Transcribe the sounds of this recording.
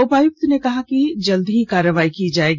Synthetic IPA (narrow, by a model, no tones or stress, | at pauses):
ʊpaːjʊk̚t̪nekɐɦakid͡ʒɐld̪ɦikaːɾəʋaːikid͡ʒaːeːɡ